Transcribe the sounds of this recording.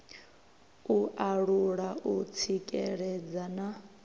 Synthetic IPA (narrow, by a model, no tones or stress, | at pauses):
uʔaɺuɺaʔut͡sʰikʼɛɺɛd͡zana